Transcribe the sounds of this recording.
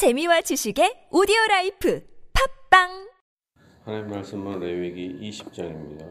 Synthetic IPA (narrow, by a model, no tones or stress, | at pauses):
t͡ɕe̞miwat͡ɕiɕʰiɡe̞odioɾaipʰɯpʰak̚p͈aŋ | hanaɲimːaɭs͈ɯmɯnɾeweɡiiɕʰi̥p̚t͡ɕ͈aŋimɲida